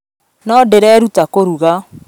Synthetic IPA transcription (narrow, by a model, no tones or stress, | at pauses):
nɔdeɾɛɾutakoɾuɣa